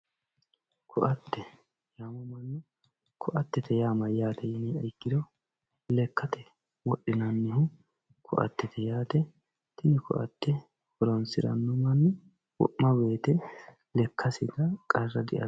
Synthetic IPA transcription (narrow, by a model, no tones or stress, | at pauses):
kʰʊʔɐt̪ːɛ | jaːmɔmɐnːɔ | kʰʊʔɐt̪ːɛt̪ʰɛjaːmɐjaːt̪ɛjɪnɛɐjkːɪd̪ɔ | lɛkːɐt̪ɛ | wɔɗːɪnɐnːɪhʊ | kʰʊʔɐ̰t̪ːɛt̪ʰɛjaːt̪ɛ | t̪ɪnɪkʊ̰ʔɐ̰t̪ːɛ | hʊɾɔnsɪɾɐ̰nːɔmɐnː | wɔ̰ʔmɐbe̞ːt̪ɛ | lɛkʰːɐsɪd̪ɐkʼɐrːɐd̪ɪ̰ʔɐ̰